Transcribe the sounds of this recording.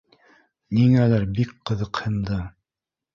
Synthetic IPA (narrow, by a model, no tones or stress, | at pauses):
niŋælæɾbik̚qɤ̆ðɤ̆qhɤ̆nd̪ɤ